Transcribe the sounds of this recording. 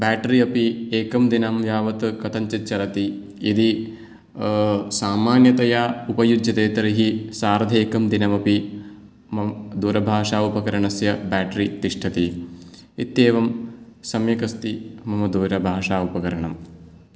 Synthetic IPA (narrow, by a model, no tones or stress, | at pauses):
baːʈɾiɐpieːkɐmd̪inɐmʋjaːʋɐt̪ɨkɐt̪ʰɐɲt͡ʃɐt͡ʃːɐlɐt̪i | id̪i | saːmaːnjɐt̪ɐjaːupɐjud͡ʒjɐd̪eːt̪ɐɾiɦisaːɾɐd̪ʱeːkɐmd̪inɐmɐpi | mɐd̪uːɾɐbʱaːʂaːupɐkɐɾɐɳɐsjɐbaːʈɐɾit̪iʂʈʰɐt̪i | it̪jeːʋɐmsɐmjɐkɐst̪imɐmɐd̪uːɾɐbʱaːʂaːupɐkɐɾɐɳɐm